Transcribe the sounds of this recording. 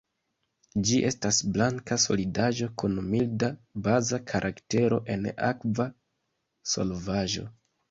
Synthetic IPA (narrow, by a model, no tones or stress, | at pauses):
d͡ʒiʔe̞stasblaŋkaso̞̰lidaʒo̞kunmildabazakʰaɾʔakte̞ɾo̞̰ʔe̞na̰kva | so̞̰lvaʒo̞̰